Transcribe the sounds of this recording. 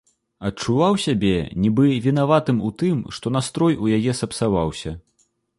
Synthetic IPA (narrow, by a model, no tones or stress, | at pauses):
ɐtt͡ʂuvawsʲabʲɛnʲibɨvʲin̪avat̪ɨmut̪ɨmʂt̪ɔnast̪ɾɔjujajɛsɐpsavawsʲɐ